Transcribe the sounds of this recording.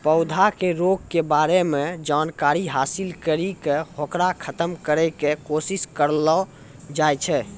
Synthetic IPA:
pəʊd̪ʱakeɾoɡ̚kebaɾemed͡ʒankaɾiɦasilkəɾikehokɾakʰət̪əmkəɾɛkekosiskəɾlɔ | d͡ʒajt͡ʃʰɛ

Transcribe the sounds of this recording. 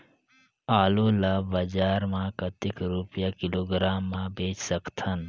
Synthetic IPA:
aːlulabɐd͡ʒaːɾmãkət̪ɪkɾupjakɪloːɡɾaːmːãbeːt͡ʃsəkt̪ʰən

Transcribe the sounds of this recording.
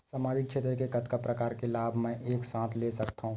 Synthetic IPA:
saːmaːd͡ʒɪk̚ːʃʰeːt̪ɾəkekət̪kapɾəkaːɾkelaːbʱmɛ̃ʔeːksãːt̪ʰlesɐkt̪aɦũː

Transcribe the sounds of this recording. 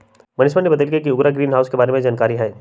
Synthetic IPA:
mɐnɪsbənebɐt̪eːlkek̬iʊɡɾaɡɾiːnɦaːʊskebaːɾemẽd͡ʒaːnkaːɾiɦɛː

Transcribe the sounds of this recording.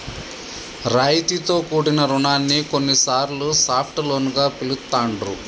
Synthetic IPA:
ɾaːjt̪it̪o̞ːkuːɽinɐɾuɳaːnːikonːisaːɾlusaːpʰʈlo̞ːnuɡaːpilut̪ːaːɳɖɾṵ

